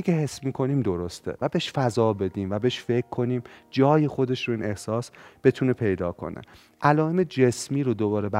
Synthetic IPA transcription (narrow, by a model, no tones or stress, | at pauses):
ikeɦe̞smiːkʰo̞niːmd̪o̞ɾost̪ʰḛvæbe̞ʃfæzɒːbe̞d̪iːmvæbeʃfe̞kʰːo̞niːmd͡ʒɒːjexo̞d̪e̞ʃɾoiːne̞hsɒːsb̥e̞t̪ʰune̞pʰe̞jd̪ɒːkʰo̞̰nḛ | ʔælɒːemed͡ʒesmiːɾod̪obɒːɾebæ